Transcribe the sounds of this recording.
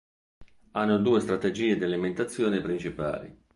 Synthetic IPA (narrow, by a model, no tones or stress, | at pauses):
anːod̪uːest̪ɾat̪ed͡ʒiːed̪ialiment̪at̪sːjoːnepɾint͡ʃipa̰ːlḭ